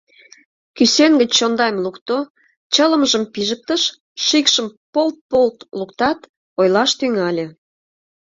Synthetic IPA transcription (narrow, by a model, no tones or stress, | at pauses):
kysenɡə̆t͡ɕt͡ɕond̪ɑjmlukt̪o | t͡ɕələ̆məʒəmpiʒək̚t̪əʃ | ʃikʃəmpolt̪̚polt̪lukt̪ɑt̪ | ojlɑʃt̪yŋɑlʲĕ